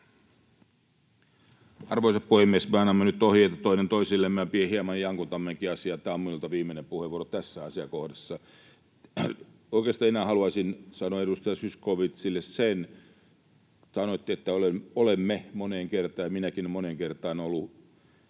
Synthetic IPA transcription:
ɑ̰rʋoisɑppuhemːiesmeɑnːɑmːenyt̪ːohiet̪ɑt̪oinent̪oisilːemːæpiehiemɑnjɑŋkut̪ɑmːeŋkiɑsiɑt̪æːomminult̪ɑʋiːmːenempuheʋuorot̪æsːæɑsiɑkohdɑsːɑ | oikeːst̪ɑːinæhɑluɑsinsɑnoeɾust̪ɑjɑsyskoʋit̪silːessen | sɑnoit̪ːiet̪ːæolemolemːemoneːŋkert̪ɑːjminækinmoneŋkert̪ɑːnolːu

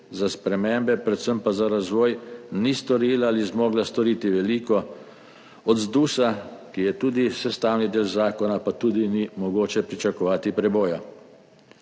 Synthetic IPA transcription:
zaspɾɛmembɛpɾɛt̪səmpazaɾazʋɔːjnist̪ɔɾiːlaalizmɔːɡlast̪ɔɾiːt̪iʋɛliːkɔ | ɔd̪zd̪uːsakijɛt̪uːd̪isɛst̪aːwnid̪eːlzaːkɔnapat̪uːd̪inimɔɡoːt͡ʃɛpɾit͡ʃakɔʋaːt̪ipɾɛboːja

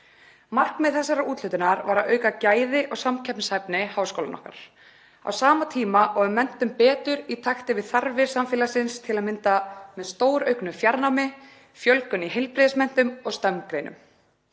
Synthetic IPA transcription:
mar̥knmɛðθɛsːaɾauːt̪lʏht̪ʏnaɾvaɾaœɥkacaːjðɪʔɔɣsamcʰɛpnshajpnɪhaːwskowla̰nɔ̰hka̰ɾ̥ | a̰wsaːmat̪ʰiːmaɔʏmːɛn̥t̪ʏmpɛːt̪ʏɾit̪ʰaxt̪ɪvɪðθaɾvɪɾ̥samfɪːlasɪnst̪ʰɪlaðmɪnt̪amɛðst̪oːwɾœɥknʏfjaɾnawmɪ | fjœlkʏniɦejlpɾɪðsmɛn̥t̪ʏmɔɣst̪œmnkɾejnʏ̰m

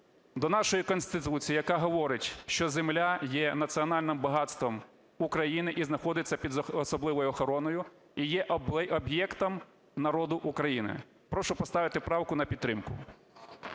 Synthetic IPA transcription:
d̪ɔnɑʃɔjikɔnst̪ɪt̪ut͡sʲijijɐkɑɦɔʋɔɾɪtʲʃt͡ʃɔzemlʲajɛnɐt̪t͡sʲiɔnɑlʲnɪmbɐɦɑt̪st̪ʋɔm | ukɾɐjinɪʔiznɐxɔd̪ɪt͡sʲːɐpʲid̪zːsɔblˠɪʋɔjʊɔxɔɾɔnɔjʊ | ijɛʔɔbjɛkt̪ɔm | nɐɾɔd̪ʊʔukɾɐjinɪ̰ | pɾɔʃʊpɔst̪ɑʋɪt̪ɪpɾɑwkʊnɐpʲid̪̚t̪ːɾɪmkʊ̰

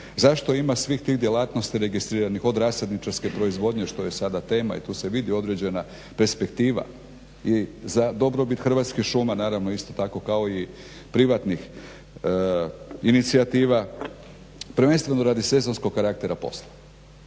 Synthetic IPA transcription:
zaʃt̪o̞imasʋixt̪iːɣd̪je̞laːt̪no̞st̪iɾe̞ɡist̪ɾiːɾanixo̞d̪ɾaːse̞d̪nit͡ʃaɾske̞pɾo̞izʋo̞d̪ɲeʃt̪o̞je̞sad̪at̪e̞ːma̰ḭt̪uːse̞ʋid̪io̞d̪ɾe̞d͡ʑe̞na | peɾspekt̪iːʋa̰ | izad̪o̞bɾo̞bit̪xɾrʋat̪skixʃumanaːɾaʋnoist̪o̞t̪ako̞kao̞i | pɾiʋat̪nix | init̪siat̪iːʋa | pɾ̩ʋe̞nst̪ʋe̞no̞ɾad̪ise̞zo̞nsko̞ɡkaɾakt̪e̞ɾapo̞̰slˠa

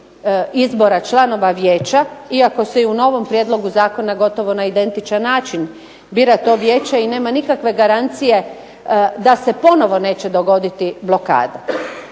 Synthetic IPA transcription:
izbo̞ɾat͡ʃlˠano̞ʋaʋje̞ːt͡ɕaiako̞seuno̞ʋo̞mpɾjed̪lˠo̞ɡuzaːko̞naɡo̞t̪o̞ʋo̞naid̪e̞nt̪it͡ʃanːaːt͡ʃin | biːɾat̪o̞ːʋjeːt͡ɕaine̞ːmanikakʋe̞ɡaɾant̪sije̞ | d̪ase̞po̞no̞ʋo̞ne̞ːt͡ɕe̞d̪o̞ɡo̞d̪it̪iblo̞ka̰ːd̪a

